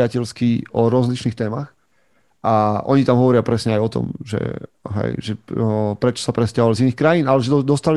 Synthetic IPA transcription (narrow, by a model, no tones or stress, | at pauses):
acɛʎskiɔɾɔzlit͡ʃniːxt̪ɛːmax | ʔaʔɔɲit̪amɦɔʋɔɾɪapɾɛsɲɛajɔt̪ɔ̰mʒɛ̰ | ɦɛ̰jʒɛpɾɛt͡ʃɔ̥sapɾɛscaɦɔʋaliziniːxkɾajiːnalɛʒɛd̪d̪ɔst̪al